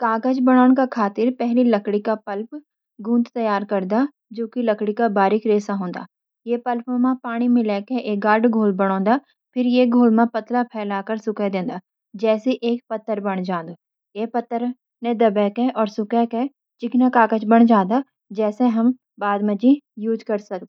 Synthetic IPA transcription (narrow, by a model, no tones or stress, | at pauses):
kaːɡəd͡ʒbɐɽ̃aːʊñkakʰaːt̪ɪɾpɛɦlilɐkɽikapɐlp | ɡũːnd̪t̪ɐjaːɾkɐɾd̪a | d͡ʒoːkilɐkɽikabaːɾɪkɾeːsaɦõːnd̪a̰ː | jepɐlpõmãpaːɽ̃imẽlɛːkeʔeːk̚ɡaːɾɖɡʱoːlbɐɽ̃õːnd̪a | pʰɪɾjeɡʱoːlmãpɐt̪lapʰɛːlaːkəɾsʊkɛd̪ẽːnd̪aː | d͡ʒɛːseʔeːk̚pɐt̪ːəɾbɐɽ̃d͡ʒãːnd̪oː | eːpɐt̪ːəɾ | nẽd̪ɐbɛːkeʔɔːɾsʊkɛke | t͡ʃɪknakaːkət͡ʃbɐɽ̃d͡ʒãːd̪a | d͡ʒɛːseɦɐm | baːd̪mɐ̃d͡ʒĩjuːd͡ʒkɐɾsɐk